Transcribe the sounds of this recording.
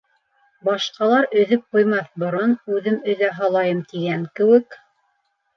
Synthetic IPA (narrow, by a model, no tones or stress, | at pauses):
bɑʃqɑlˠɑɾɵ̆ðɵp̚qujmɑθbŏɾɑnʉðɘmɵ̆ðæɦɑlˠɑjɤmt̪iɡæŋkɘ̆wɘk